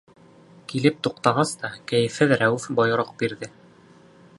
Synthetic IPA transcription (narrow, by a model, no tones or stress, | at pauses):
kilɘp̚t̪uqt̪ɑʁɑst̪ɑkæjɘ̆fhɘðɾæwɘfbɑjɤ̆ɾɤq̚biɾðɘ